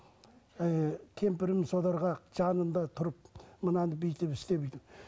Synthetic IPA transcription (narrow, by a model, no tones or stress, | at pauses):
kʲʰe̞mpɪɾɪmsod̪ˠɑɾʁɑʒɑnənd̪ɑt̪ʰʊɾəp̚mənɑnəbejt̪epɪst̪ebejd̪ɪ